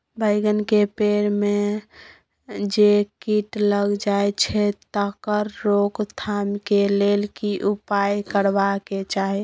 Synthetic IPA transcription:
bʱəɪɡənkepeɾme | d͡ʒekiʈləɡd͡ʒaet͡ʃʰɛt̪əkəɾːokt̪ʰamkelelkiʔupajkəɾbaket͡ʃaɦi

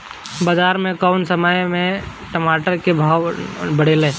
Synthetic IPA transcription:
baːd͡ʒaːɾmẽkaʊnsəməjmẽ | ʈəmaːʈəɾkebʱaːʋbəɽeːlẽː

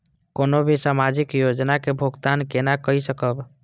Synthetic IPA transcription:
konobʱisamad͡ʒikjod͡ʒnakebʱuɡt̪ankenakəisəkəb

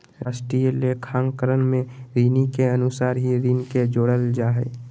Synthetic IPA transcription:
ɾaːsʈɾiːəlekʰãːŋkəɾənmẽɾiːnikeənʊsaːɾɦiɾiːnked͡ʒoːɽəld͡ʒaːɦɛ̰ː

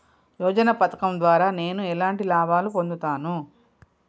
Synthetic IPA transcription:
jɔːd͡ʒɐnɐpɐt̪ɐ̥kɐmd̪ʋaːɾaːne̞ːnuɛlaːɳʈilaːbaːlupo̞nd̪ut̪aːnu

